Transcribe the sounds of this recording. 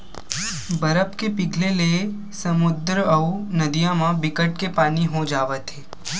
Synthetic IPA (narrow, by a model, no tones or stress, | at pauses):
bəɾəpkepɪɡʱlele | sɐmʊd̪ɾəɐnɐd̪ijãmãbɪkəʈ̚kepaːniɦod͡ʒaːʋət̪ɦeː